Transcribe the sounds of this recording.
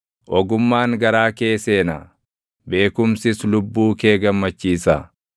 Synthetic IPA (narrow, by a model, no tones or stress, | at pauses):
ʔɔɡʊmːaːŋɡɐɾaːkeːse̞ːnɐ | be̞ːkʊmsɪslʊbːuːke̞ːɡɐmːɐt͡ʃːiːsɐ